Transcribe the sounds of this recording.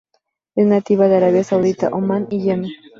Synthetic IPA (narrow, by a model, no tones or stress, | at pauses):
eznat̪iβaðaɾaβjasawðit̪a̰ʔomãniʝeme